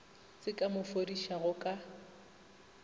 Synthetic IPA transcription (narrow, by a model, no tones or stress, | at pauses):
t͡sʼɪkʼamʊfodiʃaɣʊkʼa